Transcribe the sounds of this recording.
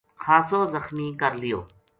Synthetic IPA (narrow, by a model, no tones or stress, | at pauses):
xaːsoːzəxmiːkəɾlɪjo̰ː